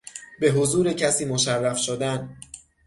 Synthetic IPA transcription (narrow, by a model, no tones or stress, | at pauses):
be̞ɦozuːɾecʰæsiːmoʃærːæfʃod̪æn